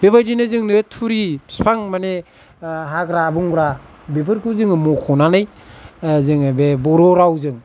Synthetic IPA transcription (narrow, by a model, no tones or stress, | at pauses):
b̥ebajdinɯzɯŋnɯtʰuɾispʰaŋmane | ɦaɡɾabuŋɡɾa | bep̬ɯɾkʰɯzɯŋɯmukʰɔnanɯj | zɯŋbebɔɾɔɾawzɯŋ